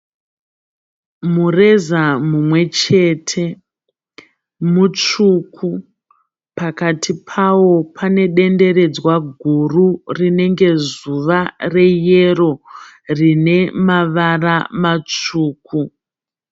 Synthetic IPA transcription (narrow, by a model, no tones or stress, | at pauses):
mure̞zamumwe̞t͡ʃe̞ːtʰe̞ | mut͡ʂukʰu | pakatʰipʰawo̞pʰane̞ɗe̞nde̞ɾe̞d͡zwaɡʱururine̞ŋɡe̞zuʋare̞je̞ro̞ | rine̞maʋaramat͡ʂuːku